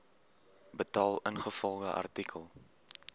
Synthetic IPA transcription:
bətɑːlˠənχəfɔlˠʁəʔɐ̰rtikʰəlˠ

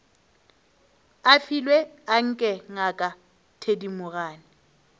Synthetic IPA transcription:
afilwɛaŋ̩kʼɛŋakʼa | tʰedimʊɣaːnɪ

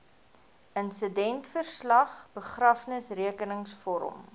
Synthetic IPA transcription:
ənsədɛntfərslɐχb̥əχrɐfnəsriəkənəŋsfɔɾɔ̰m

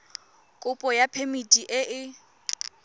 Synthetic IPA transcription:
kʼʊpʼɔjapʰemidʼiʔɪʔɪ

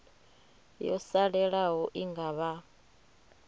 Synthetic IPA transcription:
jɔsaɺɛɺaɦɔʔiŋɡaβa

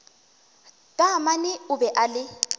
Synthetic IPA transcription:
kʼamanɪʊbɛʔalɪ

